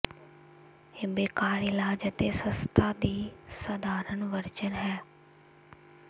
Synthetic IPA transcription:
ebeːkaːɾɪlaːd͡ʒət̪eːsəst̪ʰaːd̪iːsəd̪aːɾənʋəɾt͡ʃənɦɛː

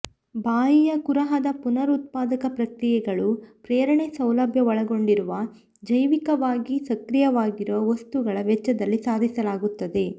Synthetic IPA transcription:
baːjijɐkuɾɐɦɐd̪ɐpunɐɾut̪̚paːd̪ɐkɐpɾɐkɾijɛɡɐɭupɾeːɾɐɳesɐwlɐbʱjɐɔɭɐɡo̞ɳɖiɾuʋɐ | d͡ʒɐjʋikɐʋaːɡisɐkɾijɐʋaːɡiɾuʋɐʋɐst̪uɡɐɭɐʋɛt͡ʃːɐd̪ɐlːisaːd̪ʱisɐlaːɡut̪ːɐd̪e̞

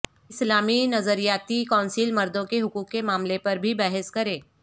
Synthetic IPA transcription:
ɪslaːminɐzəɾijaːt̪ikɔ̃ːnsilmɐɾd̪õkeɦʊkuːkːemaːmlepɐɾbʱibɛːɦɪskɐɾẽː

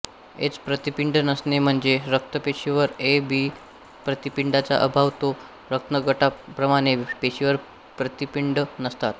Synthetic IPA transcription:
ḛt͡spɾət̪ipiɳɖnəsnem̤əɳd͡zeɾək̚t̪əpeɕiʋəɾebi | pɾət̪ipiɳɖat͡sa̰ʔəbʱaʋt̪o | ɾək̚t̪əɡəʈapɾəmaɽ̃epeɕiʋəɾ | pɾət̪ipiɳɖənəst̪at̪

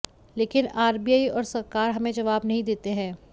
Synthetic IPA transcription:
leːkɪnaːɾbijaːiɔːɾsɐɾkaːɾɦɐmẽd͡ʒɐʋaːbnɐɦĩd̪eːt̪eɦɛ̃ː

